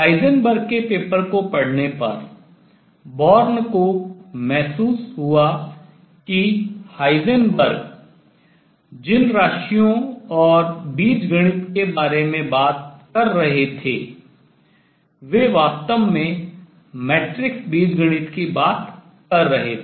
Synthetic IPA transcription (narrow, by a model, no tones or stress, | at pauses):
haːɪzənbəɾɡ̚kepeːpəɾkopɐɽ̤nepɐɾ | bɔːɾnkomɛɦsuːsɦʊa | kihaːɪzənbəɾɡ | d͡ʒɪnɾaːʃijõɔːɾbiːd͡ʒɡəɽ̃ɪt̪kebaːɾemẽbaːt̪̚kɐɾːɐɦet̪ʰḛː | ʋeːʋaːst̪əmːẽ | mɛːʈɾɪkbiːd͡ʒɡəɽ̃ɪt̪kibaːt̪ | kɐɾːɐɦet̪ʰː